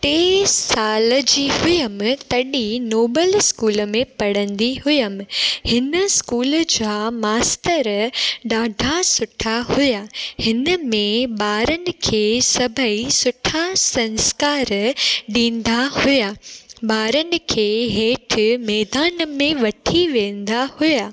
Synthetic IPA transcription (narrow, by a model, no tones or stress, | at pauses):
ʈeːsaːləd͡ʑiːɦʊjəmɪ̆t̪ɐɗinoːbəlskuːlmẽpɐɽə̃nd̪iɦʊjəmɪ̆hɪnəskuːld͡ʑaːmaːst̪əɾɗaːɖʱasʊʈʰaɦʊjahɪnəmẽɓaːɾənɪ̆kʰeːsɐbʱəisʊʈʰasɐ̃nskaːɾɗĩːnd̪ahʊjaːɓaːɾənɪ̆kʰeːɦeːʈʰɪmɛːd̪aːnəmẽʋɐʈʰiʋẽːnd̪ahʊjaː